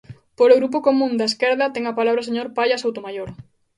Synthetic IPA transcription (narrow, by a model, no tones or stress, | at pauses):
poɾoɣɾup̬okomũnd̪aeskɛɾðɐt̪ɛŋɐpalaβɾɐoseɲoɾpajasowt̪omajoɾ